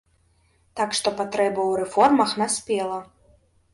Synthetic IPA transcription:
t̪akʂt̪ɔpat̪ɾɛbɐwɾɛfɔrmɐxnasʲpʲɛlˠɐ

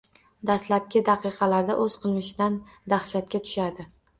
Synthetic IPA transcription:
d̪aslap̚kʲɪd̪ɑqʰɨqʰɑlaɾd̪aʔɵzqʰɨlˠmɪʃɪd̪an | d̪ahʃat̪̚kʲat̪ʰʊ̥ʃad̪ɪ

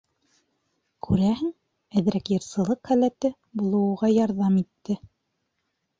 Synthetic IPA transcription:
kʰʉɾæɦɘŋ | æðɾækjɤ̆ɾsɤ̆lˠɤqχælæt̪ɘ | bulˠɤ̆wʁɑjɑɾðɑmit̪ːɘ

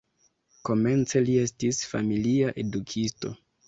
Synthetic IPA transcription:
ko̞me̞nt͡se̞lie̞stisfa̰miliaʔe̞dukʰisto̞̰

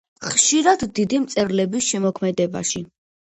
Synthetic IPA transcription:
χʃiɾad̪ːid̪imt̪sʼɛɾlɛbisʃɛmɔkʰmɛd̪ɛba̰ʃi

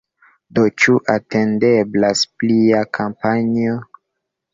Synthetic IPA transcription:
dot͡ʃuʔate̞ndeblaspliakʰampanio

